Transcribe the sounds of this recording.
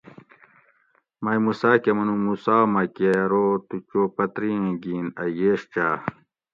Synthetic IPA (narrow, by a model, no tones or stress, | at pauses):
mɐjmusaːkemɐnũmusaːmɐkeɾoːt̪ut͡ɕoːpɐt̪ɾiẽɡiːnɐjeːɕt͡ɕaː